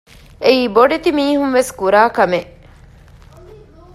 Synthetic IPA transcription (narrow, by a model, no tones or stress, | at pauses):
eiːboɖet̪imiːɦunʋeskuɾaːkɐme